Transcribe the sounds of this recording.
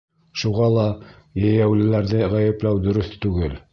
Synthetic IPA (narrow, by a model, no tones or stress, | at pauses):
ʃuʁɑlˠɑ | jæjæwlɘ̆læɾðɘʁæjɘ̆plæwd̪ɵ̆ɾɵθt̪ʉɡɘl